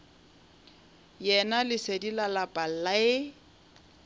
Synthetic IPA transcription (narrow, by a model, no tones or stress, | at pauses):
jɛnalɪsedilalapʼal̩laɪ